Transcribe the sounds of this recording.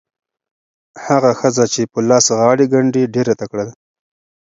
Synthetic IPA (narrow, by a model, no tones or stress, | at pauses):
haɣaxəzat͡ʃepəlɑsɣɑɽeɡaɳɖiɖeɾat̪akɽad̪a